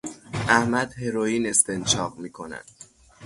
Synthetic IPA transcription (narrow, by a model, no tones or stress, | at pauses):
ʔæhmæd̪he̞ɾojiːne̞st̪ent͡ʃʰɒːɢmiːkʰo̞næ̰nd̪̥